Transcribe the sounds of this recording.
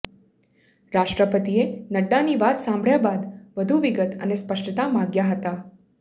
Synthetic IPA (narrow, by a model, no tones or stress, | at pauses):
ɾaʃʈɾəpət̪ienəɖːaniʋat̪sãmbʱɭjabad̪ʋəd̪ʱuʋiɡət̪ənespəʂʈət̪amaɡjaɦət̪a